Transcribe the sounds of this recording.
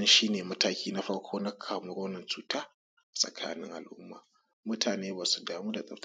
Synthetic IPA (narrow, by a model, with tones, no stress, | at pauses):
nʃiː˦neː˨mɐ˦taː˦kʲiː˦na˦ɸɐ˦ɽkʷʰoː˦na˦kʰaː˨mʊ˦ɽoː˦nɐ˨nt͡ʃuː˨taː˦˨ | sʼɐ̰˨kʰa̰ː˦nɪ̰˦ŋʔa̰˨lʔʊ˦mːa̰ː˨ | mʊ˦tʰaː˨neː˦baː˨su˨daː˨muː˦da˨sʼɐ˦t